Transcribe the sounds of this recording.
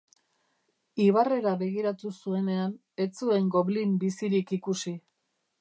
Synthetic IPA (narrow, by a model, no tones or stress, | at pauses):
iβare̞ɾaβe̞ɣ̞iɾat̪usue̞ne̞an | e̞t͡sue̞ŋɡo̞βlimbisiɾikikusi